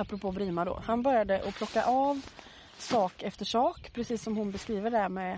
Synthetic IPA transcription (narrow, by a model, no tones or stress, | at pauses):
apːɾʊpʰoːbɾiːmad̪o̰hanbœɾjad̪əʔɔpʰlɔkːa̰ʔɑːv | sɑːkɛft̪əʂɑːkpʰɾɛsiːsːɔmhʊnbɛskɾiːvəɖæɾmɛ